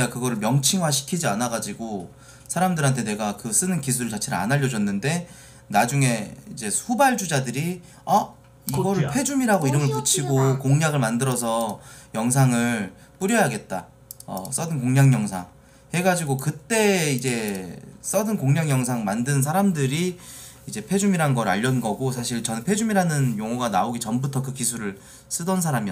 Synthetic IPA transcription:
eɡakɯɡʌɾɯɭmjʌŋt͡ɕʰiŋɦwaɕʰi̥kʰid͡ʑianaɡad͡ʑiɡo | sʰaɾamdɯɾɦantʰe̞ne̞ɡakɯs͈ɯnɯnkisʰuɾɯɭt͡ɕat͡ɕʰeɾaa̰naʎːʌd͡ʑʌnːɯnde̞ | nad͡ʑuŋe̞id͡ʑe̞ubaɭd͡ʑud͡ʑadɯɾi | a | iɡʌɾɯɭpʰwe̞d͡ʑumiɾaɡoiɾʌmɯɭp̬ut͡ɕʰiɡokoŋɲaɡɯɭmandɯɾʌs̬ʰʌjʌŋs̬ʰaŋɯɭ | p͈uɾjʌjaɡe̞t̚t͈a̰ | ʌ̰s͈ʌdɯnkoŋɲaŋjʌŋsʰa̰ŋ | he̞ɡad͡ʑiɡokɯt͈e̞id͡ʑe̞s͈ʌdɯnkoŋɲaŋjʌŋsʰaŋmandɯns̬ʰaɾamdɯɾi | id͡ʑe̞pʰe̞d͡ʑumiɾaɯnɡʌɾɯa̰ʎːʌnɡʌɡos̬ʰaɕʰiɭt͡ɕʌnpʰe̞d͡ʑumiɾanɯnjoŋoɡana̰oɡit͡ɕʌmbutʰʌk̬ɯkisʰuɾɯɭ | s͈ɯdʌnsʰaɾami

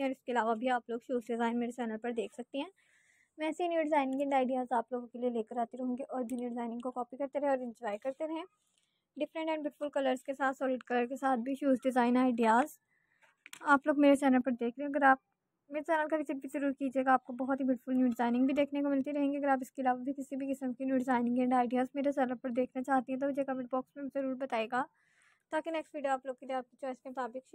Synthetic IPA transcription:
ɔːɾɪskeɐlaːʋabʱiaːploːɡʃuːzɖɪzaːɪnmeːɾet͡ʃɛːnəlpɐɾd̪eːkʰsɐk̚t̪eɦɛ̃ː | ʋɛːseinjuːɖɪzaːɪnɪ̃ŋɡɛ̃ɳɖaːɪɖijaːzaːploːɡõkelieleːkəɾaːt̪iɾɐɦõːŋɡeʔɔːɾbʱinjuːɖɪzaːɪnɪ̃ŋɡkokɔːpikɐɾt̪eɾɛɦɛ̃ɔːɾɪ̃ɲd͡ʒɔːɪjkɐɾt̪eɾɐɦɛ̃ | ɖɪfɾə̃ɳʈɛ̃ɳɖbjʊʈɪ̥fʊlkɐləɾzkesaːt̪ʰsɔːlɪɖ̚kɐləɾkesaːt̪̚ʰbʱiʃjuːzɖɪzaːɪnaːɪɖijaːz | aːploːɡmeːɾesɛːnəlpɐɾd̪eːkʰɾeɛ̃ɐɡəɾaːp̚ | mesɛːnəlkakɪsibbʱizɐɾuːɾkiːd͡ʒieːɡaːp̚kobɐɦɔt̪ɦibjʊːʈɪfʊlnjuːɖɪzaːɪnɪ̃ŋɡbʱid̪eːkʰnekomɪlt̪iɾɐɦẽːŋɡiɐɡəɾaːp̬ɪskeɐlaːʋabʱikɪsibʱikɪsə̃mkinjuːɖɪzaːɪnɪ̃ŋɡɛ̃ːɳɖaːɪɖijaːzmeːɾesɛːnəlpɐɾd̪eːkʰnat͡ʃaːɦt̪iɦɛ̃t̪oʋɪd͡ʒekɐmɪ̃ʈ̚bɔːksmẽzɐɾuːɾbɐt̪aːeːɡaː | t̪aːkinɛːksʋiːɖijoaːploːɡ̚keiaːp̚kit͡ʃɔːɪskemʊt̪aːbɪk

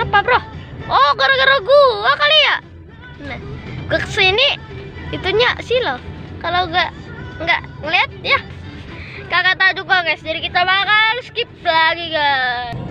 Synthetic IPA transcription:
apabɾohʔoɡəɾoɡəɾoɡuakaliaʔ | naɡakə̥səiniit̪uɲasilokaloɡaʔŋɡaʔŋəliat̪̚ja | kakat̪ad͡ʒukakasd͡ʒadikit̪abakalskip̚laɡiɡa

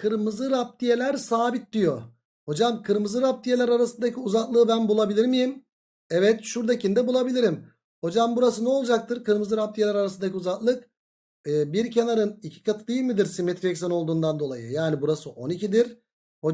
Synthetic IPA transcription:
kʰɯɾmɯzɯɾap̚t̪ʰije̞lʲæɾsaːbit̪̚d̪ijo̞ | ho̞d͡ʒamkʰɯɾmɯzɯɾap̚t̪ʰije̞lʲæɾaɾasɯnd̪acʰiuzaklˠɯːbænbulˠabilʲiɾmijim | ɛvɛt̪ʃuɾd̪acʰind̪ɛbulˠabilʲiɾim | ho̞d͡ʒambuɾasɯnɛo̞lˠd͡ʒak̚t̪ʰɯɾkɯɾmɯzɯɾap̚t̪ʰijeæɾaɾas̬ɯnd̪acʰiuzaklˠɯk | ɯːbiɾcʰenaɾɯnicʰi̥kat̪ʰɯd̪ˠɯjɯmɯd̪iɾsimet̪ʰɾɛksano̞lˠd̪uːnd̪and̪o̞lˠa̰jɯ̰jaːnibuɾasɯʔo̞nicʰid̪iɾ | ho̞

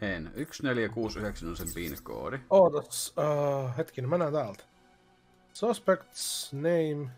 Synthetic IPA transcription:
enyksneljækuːsyheksænosempiːneko̰ːɾioːd̪os | het̪kinmænæːt̪æːlt̪ | sɔspekt̪snejm

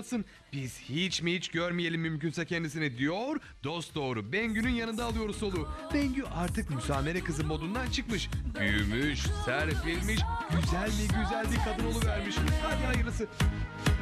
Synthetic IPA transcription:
sɯn | b̥iz̥hit͡ʃmihit͡ʃɟøɾmije̞lʲimːymcynsɛcʰɛnd̪isinid̪ijo̞ɾ | d̪o̞st̪̚d̪o̞ːɾubɛɲɟynynjanɯnd̪aːlˠɯjo̞ɾuso̞lˠub̥ɛɲɟyʔaɾt̪ʰɯkmysaːme̞ɾɛkɯzɯmo̞d̪und̪ant͡ʃʰɯkmɯʃb̥yjy̰myʃsæɾfilʲmiʃɟ̥yzælʲmiɟyzælʲbiɾkʰad̪ɯno̞lˠuvæɾmiʃhaːd̪iajɯɾlɯsɯ

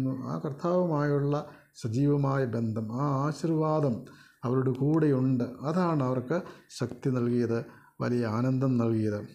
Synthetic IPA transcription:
nːua̰ːkrt̪ʰaːʋɐmaːjuɭːɐ | sɐd͡ʑiːʋɐmaːjɐbend̪ʱɐmaːaːɕirʋaːd̪ɐm | ɐʋɐɾuɽekuːɽejuɳɖɨɐðaːɳɨɐʋɐrkɨɕɐkt̪inɐlkijɐðɨ | ʋɐ̰lijɐaːnɐnd̪ʱɐmnɐlkijɐðɨ

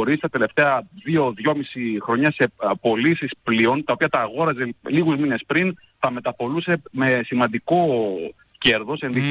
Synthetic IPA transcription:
oɾist̪ɐt̪e̞le̞ft̪e̞ɐðioðʝo̞misixɾo̞ɲɐse̞po̞lisisplio̞nt̪ɐopiɐt̪ɐːɣo̞ɾɐze̞liɣuzmine̞spɾin | t̪ɐme̞t̪ɐpo̞luse̞me̞simɐnd̪iko̞ | ce̞ɾðo̞se̞nði

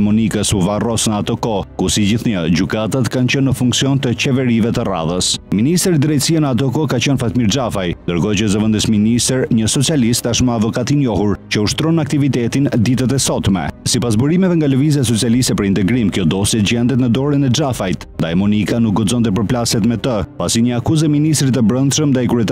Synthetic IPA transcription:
mɔnikəsuvarɔsnəat̪ɔkɔkusid͡ʑiθɲəd͡ʑykat̪at̪kant͡ɕənːəfuŋksiɔnt̪ət͡ɕɛvɛɾivɛt̪əra̰ðəsminist̪ɾid̪ɾɛt̪sianəat̪̬ɔkɔkat͡ɕənfat̪miɾd͡ʒafajnd̪əɾɡɔt͡ɕəzəvənd̪əsminist̪ɾɲəsɔt͡sialist̪ːaʃmaːvɔkat̪injɔhuɾt͡ɕəuʃt̪ɾɔnak̚t̪ivit̪ɛt̪ind̪it̪ət̪ɛsɔt̪mɛ̰sipas̬buɾimɛvɛŋɡaləvizas̬ɔt͡sialist̪ɛpəɾint̪ɛɡɾimkjɔd̪ɔsjɛd͡ʑɛnd̪ɛt̪nəd̪ɔɾinɛd͡ʒafajt̪nd̪ajmunikanuk̚ɡ̪ɔd͡zɔnt̪ɛp̬əɾplasɛt̪mɛt̪əpasiɲəakuzɛminist̪ɾit̪əbɾənd̪ʃəmd̪ajkuɾɛt̪

